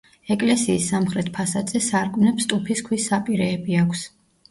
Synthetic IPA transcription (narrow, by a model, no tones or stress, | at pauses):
ɛkʼlɛsiːsːamχɾɛt̪̚ʰpʰasad̪z̥ɛsaɾkʼmnɛpst̪ʼupʰiskʰwisːapʼiɾɛːbiakʰs